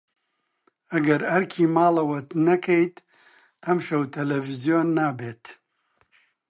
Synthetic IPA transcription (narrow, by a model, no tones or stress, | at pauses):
ɐɡɐɾɐɾkʰiːmaːlɐwɐt̪nɐkʰɐjt̪ | ɐmʃɐwt̪ʰɐlɐvizijoːnːaːbeːt̪